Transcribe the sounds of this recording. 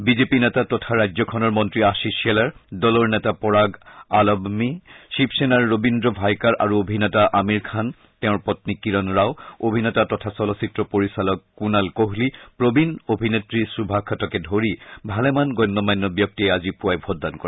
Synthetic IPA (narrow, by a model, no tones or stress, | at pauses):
bizepinɛtatɔtʰaɹajzɔkʰɔnɔɹmɔntɹiasisɛlaɹdɔlɔɹnɛtapɔɹaɡalɔbmiʃipʰsɛnaɹːobindɹɔbʱajkaɹʔa̰ɹuobʱinɛtaʔamiɹkʰan | tɛʊ̃ɹpɔtnikiɹɔnɹaʊobʱinɛtatɔtʰasɔlɔsitɹɔpoɹisalɔkːunalkoɦlipɹobinobʱinetɹisubʱakʰɔtɔkɛdʱoɹibʱalɛmanɡɔjnːɔmajnːɔbjɔk̚tiɛazipuajbʱɔddankɔɹɛ